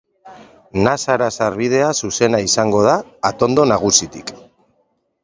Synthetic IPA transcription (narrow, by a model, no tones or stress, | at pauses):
nasaɾasaɾβið̞e̞asuse̞naisaŋɡo̞ð̞aːt̪o̞nd̪o̞naɣ̞usit̪ik